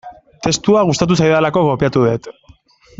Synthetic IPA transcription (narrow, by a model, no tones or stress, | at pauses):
t̪e̞st̪uaɣ̞ust̪at̪̬us̬ajðalako̞ɣo̞piat̪uðe̞t̪